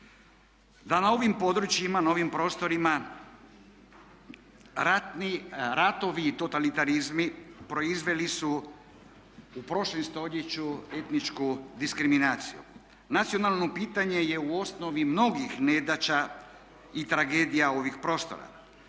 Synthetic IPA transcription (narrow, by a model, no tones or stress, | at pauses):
d̪anao̞ʋimpo̞d̪ɾut͡ʃjimanaoʋimpɾo̞ːst̪o̞ɾima | ɾat̪niɾat̪o̞ʋiːt̪o̞t̪alit̪aɾizmipɾo̞izʋe̞lisu | upɾo̞ʃlemst̪o̞ʎe̞t͡ɕue̞t̪nit͡ʃkud̪iskɾiminaːt̪sijṵ | nat̪sio̞nalˠno̞piːt̪aɲe̞je̞uo̞sno̞ʋimno̞ɡixned̪at͡ɕa | it̪ɾaɡe̞ːd̪ijao̞ʋixpɾo̞ːst̪o̞̰ɾa̰